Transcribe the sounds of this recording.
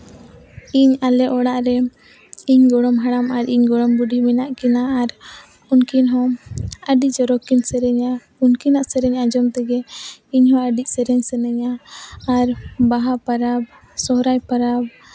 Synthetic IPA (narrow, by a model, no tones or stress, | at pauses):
iɲalɛʔɔɽaʔɾɛ | iɲɡɔɽɔmɦaɽamaɾiɲɡɔɽɔmbuɖimɛnaʔkinaːɾ | unkinɦɔ̃əɖid͡ʒɔɾɔkinsɛɾɛɲa | unkinaʔsɛɾɛɲad͡ʒɔmt̪ɛɡɛiɲhɔ̃əɖic̚ˀsɛɾɛɲsɛnɛɲaː | ɾbaɦapaɾab̚ | sɔɦɾajpaɾab̚